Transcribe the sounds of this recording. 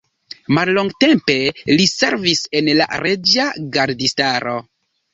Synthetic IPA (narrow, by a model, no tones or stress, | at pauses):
malloŋɡte̞mpe̞lise̞ɾvise̞nla̰ɾed͡ʒaɡaɾdistaɾo̞